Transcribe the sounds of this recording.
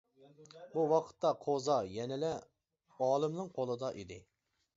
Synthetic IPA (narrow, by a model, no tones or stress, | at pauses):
buwɑqʰə̥t̪ːɑqʰozɑjɛnɪlɛ | ɑːlˠɨmnɨŋqʰolˠɨd̪ɑʔid̪ɪ